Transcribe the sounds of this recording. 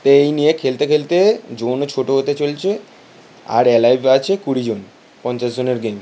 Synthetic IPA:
t̪oejnijekʰelt̪ekʰelt̪ed͡ʑont͡ɕʰoʈoɦot̪et͡ɕolt͡ɕʰe | a̰ɾɛlajbat͡ɕʰekuɽid͡ʑon | pɔnt͡ɕazd͡ʑoneɾɡem

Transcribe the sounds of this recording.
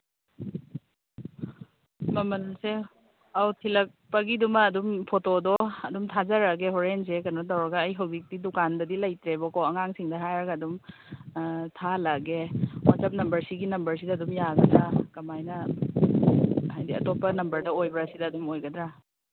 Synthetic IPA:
mɐmɐlse | awtʰilɐk̚pɐɡidumɐːdumpʰotodɔɐdumtʰazɐɾɐɡeɦoɾens̬ekɐnɔtɐwɾɐɡɐːjɦɐwzik̚didukandɐdilɐjtɾebɔkɔɐŋaŋsiŋdɐɦajɾɐɡɐːdum | tʰalaɡemasɐp̚nɐmbɐɾsiɡinɐmbɐɾsidɐːdumjaɡɐdɾakɐmajnɐ | ɦajdiɐ̰topːɐnɐmbɐɾdɐojbɾasidɐdumojɡɐdɾa

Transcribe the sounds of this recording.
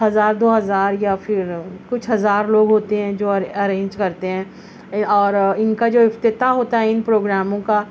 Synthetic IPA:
ɦɐzaːɾd̪oːɦɐzaːɾjafʰɪɾkʊt͡ʃʰɦɐzaːɾloːɡɦoːt̪eɦɛ̃d͡ʒoːɐɾẽːɲd͡ʒkɐɾt̪eɦɛ̃ː | ɔːɾɪnkad͡ʒoːɪft̪ɪt̪aɦoːt̪aɦɛɪnpɾoːɡɾaːmõka

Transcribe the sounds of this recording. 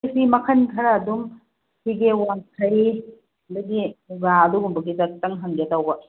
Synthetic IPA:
simɐkʰɐnkʰɐɾaːdum | hiɡewankʰɐji | ɐdɐɡiɡaɐduɡumbɐɡitɐk̚tɐŋɦɐŋɡetɐwbɐ

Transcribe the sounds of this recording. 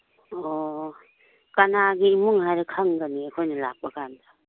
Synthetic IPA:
ɔ | kanaɡiːmuŋhajɾakʰaŋɡaniekʰojnɐla̰k̚bɐkʰand̪ḁ

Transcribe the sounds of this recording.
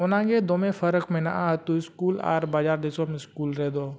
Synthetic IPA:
ʊnãːɡed̪oːmẽfʰəɾəkmẽna̰ʔaɦt̪uɪskuːla̰ːɾbaːd͡ʒaːɾd̪esoːɾmẽskuːlɾɛɦd̪oː

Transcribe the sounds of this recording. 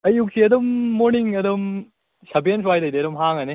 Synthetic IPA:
ɐjuk̚siɐd̪ɐmːoɾniŋɐd̪ɐm | sɐbijɐnswajd̪ɐjd̪eɾɐmɦaŋɐne

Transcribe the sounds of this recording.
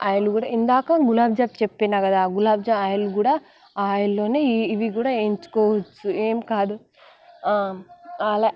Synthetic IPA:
aːjɐluɡuːɽa̰ind̪aːkaɡulaːbd͡ʒaːp̚t͡ʃepːinaːkɐd̪aɡulaːbd͡ʒaaːjɐluɡuːɽaː | aːjɐlːo̞ːneːiʋiɡuːɽaːeːɲt͡ʃu̥kɔːʋɐt͡ʃːueːmikaːd̪u | ala

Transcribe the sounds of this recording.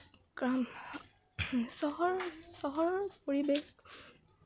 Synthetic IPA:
ɡɹam | sɔɦɔɹsɔɦɔɹɹɔpoɹibex

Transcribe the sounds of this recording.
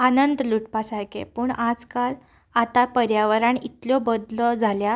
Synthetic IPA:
anənd̪luʈpasajkḛpuːɳad͡zkal | at̪apəɾjaʋəɾaɳit̪ljɔbəd̪lɔd͡zʱalja

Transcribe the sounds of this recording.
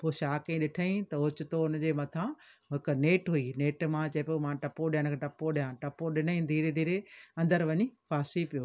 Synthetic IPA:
poːʃaːkẽɗɪʈʰaĩt̪ɐɦʊt͡ɕʊt̪oʊnəd͡ʑeːmɐt̪ʰãɦɪkneːʈɦuineːʈmãt͡ɕɐepomãʈɐpoɗijaɽ̃kʰeʈɐpːoɗɪjãːʈɐpːoɗɪnəĩd̪ʱiːɾed̪ʱiːɾeɐ̃nd̪əɾʋɐɲifaːsipijoː

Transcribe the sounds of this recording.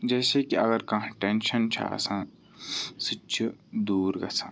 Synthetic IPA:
d͡ʒɛːsekiɐɣəɾkɐ̃ɦʈenʃənt͡ʃʰa̰sã | sit͡ʃʰud̪uːɾɡɐ̰sãː

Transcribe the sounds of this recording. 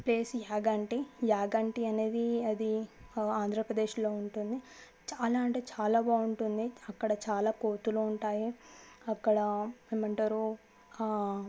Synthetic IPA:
pleːsjaːɡaɳʈijaːɡɐɳʈiɐne̞ːd̪iɐd̪iaːnd̪ʱɾɐpɾɐd̪e̞ːʃlo̞ːuɳʈund̪i | t͡ʃaːlaːɳʈeːt͡ʃaːlaːbaːuɳʈund̪iɐkːɐɽɐt͡ʃaːlaːkoːt̪uluuɳʈaːjiɐkːɐɽɐmeːmɐɳʈaːɾu

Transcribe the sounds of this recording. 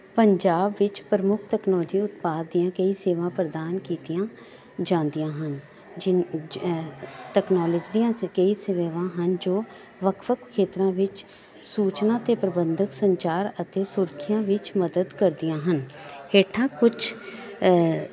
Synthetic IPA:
pəɲd͡ʒaːbʋɪt͡ʃpɾəmʊkʰt̪ɛːknɔːd͡ʒiːʊt̪paːd̪d̪ijãːkəiːseːʋãːpɾəd̪aːnkiːt̪ijãː | d͡ʒãːnd̪ijãːɦən | d͡ʒ | ʈɛːknɔːləd͡ʒd̪ijãːkəiːseʋeːʋãːɦənd͡ʒoː | ʋəkʰʋəkʰkʰːeːt̪ɾãːʋɪt͡ʃ | suːt͡ʃnãːt̪eːpɾəbənd̪əksəɲt͡ʃaːɾət̪eːsʊɾkʰɪjãːʋɪt͡ʃməd̪əd̪kəɾd̪ijãːɦənheːʈʰãːkʊt͡ʃʰ

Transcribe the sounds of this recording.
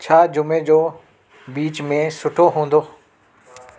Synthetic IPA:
t͡ɕʰaːd͡ʑʊmẽd͡ʑoː | biːt͡ɕmẽsʊʈʰoɦũːn̆d̪oː

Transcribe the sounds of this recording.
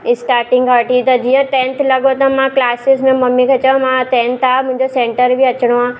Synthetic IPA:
ɪsʈaːɾʈɪ̃ŋɡɦaɾʈit̪ɐd͡ʒijãt̪ẽːnt̪lɐɡot̪ãmãklaːsɪsmẽmɐmːĩkɐt͡ʃɐmãt̪eːnt̪aːmʊ̃ɲd͡ʒosẽːɳʈəɾbʱiɐt͡ʃɽ̃oã

